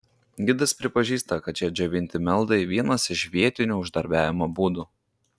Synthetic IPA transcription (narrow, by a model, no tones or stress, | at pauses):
ɡʲɪd̪ɐspʲɾʲɪpɐʒʲiːst̪ɐkɐt̪t͡ʃʲɛd͡ʒʲɛʋʲɪnʲt̪ʲɪmʲɛlˠˑd̪ɐɪʋʲiɛnɐsɪʃʋʲiɛt̪ʲɪnʲuːʊʒd̪ɐɾʲbʲæːʋʲɪmɐbuːd̪u